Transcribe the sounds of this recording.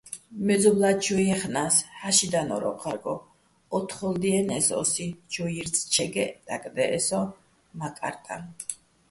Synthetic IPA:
mɛd̪zɔblad͡ʒɔjɛχnashaʃid̪anɔ̰ɾɔ̰qʰʼaɾɡɔː | t̪ʰχɔld̪iɛnɛsɔ̰sid͡ʒɔiɾt̪sʰt͡ʃʰɛɡɛd̪̥akʼd̪ɛʔɛsɔ | makʼa̰ɾt̪ʼa̰

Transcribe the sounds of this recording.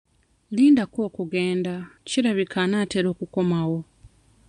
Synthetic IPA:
liːndako̞ːkuɡeːndaciɾaβikʰanaːteɾo̞ːkuko̞mawo̞

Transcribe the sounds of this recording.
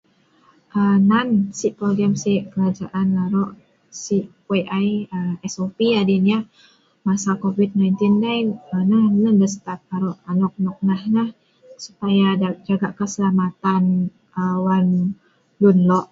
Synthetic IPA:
ʔənansiʔpɾoliəmsiʔkəɾad͡ʒaʔankaɾɔʔ | siʔ | waʔajəɛsopiadinia | masakovid̪̚najnt̪indajnənanəndəsət̪at̪̚kaɾɔʔanɔk̚nɔk̚nahnah | su̥pajad͡ʒaɡaʔkəsəlamat̪an | əwan | lunlɔʔ

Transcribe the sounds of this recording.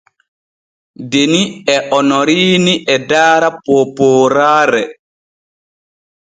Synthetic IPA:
deniɛʔɔnɔɾiːniʔɛdaːɾapoːpɔːɾaːɾɛ

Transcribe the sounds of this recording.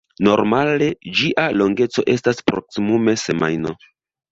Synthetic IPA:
no̞ɾmale̞d͡ʒiʔalo̞ŋɡe̞t͡so̞̰ʔe̞staspɾo̞̰ksimume̞se̞ma̰jno̞

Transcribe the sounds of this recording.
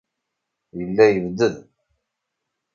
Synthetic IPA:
jəlːæjəvd̪əð

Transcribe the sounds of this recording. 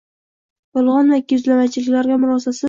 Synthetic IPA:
jɒlˠʁɒnvakʲʊzlamat͡ʃʰɪlɪkʲlaɾɡʲamʊɾɒsasɪ

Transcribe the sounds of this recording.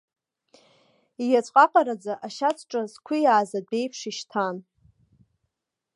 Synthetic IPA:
ijat͡sʷʼqʼaqʼaɾad͡zaʔaʃat͡sʰʈ͡ʂʼazkʷʰʊjaːzad̚bejpʰʂiʃtʰan

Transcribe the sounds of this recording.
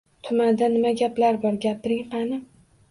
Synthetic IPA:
t̪ʰʊmand̪anɪmaɡʲapʰlaɾbɒɾɡʲapʰɪɾɪŋqʰɑnɪm

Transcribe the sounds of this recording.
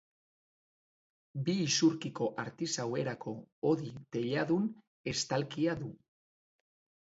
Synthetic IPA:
biːsuɾkiko̞ʔaɾt̪isawe̞ɾakʰo̞oðit̪e̞ʎaðun | e̞st̪alkiaðu

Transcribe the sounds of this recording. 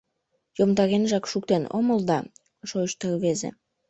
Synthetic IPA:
jomd̪ɑɣenʒɑkʃukt̪eno̰məld̪ɑ | ʃojʃt̪ərβezḛ

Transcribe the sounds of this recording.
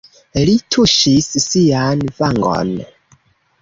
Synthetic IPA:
litʰuʃisːianvaŋɡo̰n

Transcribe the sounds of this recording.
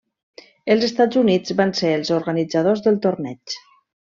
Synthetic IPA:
əlˠzəst̪ad͡zzunid͡zβanseəlˠzoɾɣənid͡zəð̞ozðəlˠt̪ornɛt͡ʃ

